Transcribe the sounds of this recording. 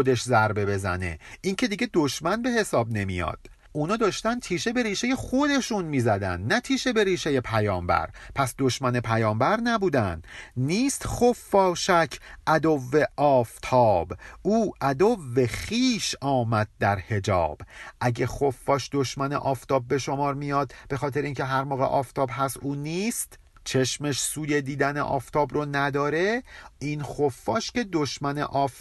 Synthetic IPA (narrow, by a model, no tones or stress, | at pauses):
od̪e̞ʃzæɾbe̞be̞zæ̰ne̞̰iŋcʰe̞d̪iːɟe̞d̪oʃmænbe̞he̞sɒːb̚ne̞mijɒ̰ːd̪̥̚ | unɒːd̪ɒːʃt̪æn̚t̪ʰiːʃe̞be̞ɾiːʃeje̞χo̞d̪e̞ʃunmiːzæd̪æ̰nd̪næt̪ʰiːʃe̞be̞ɾiːʃeje̞pʰæjɒːmbæ̰ɾpʰæsd̪o̞ʃmæne̞pʰæjɒːmbæɾnæbuːd̪ænd̪niːst̪χofːɒːʃæcʰʔæd̪ovːeʔɒːft̪ʰɒːbuːʔæd̪ovːe̞χiːʃɒːmæd̪̚ːæɾhe̞d͡ʒɒ̰ːb̥ʔæɟexofːɒːʃd̪o̞ʃmænḛʔɒːft̪ɒːb̚ːe̞ʃo̞mɒːɾmijɒːd̪b̥e̞xɒːt̪e̞ɾeincʰe̞ɦæɾmoːɣḛʔɒːft̪ʰɒːbɦæst̪uːniːst̪ | t͡ʃʰe̞ʃmeʃsuːje̞d̪iːd̪ænḛʔɒ̰ːft̪ʰɒːbronæd̪ɒːɾe̞iːnxofːɒːʃce̞d̪oʃmænḛʔɒːf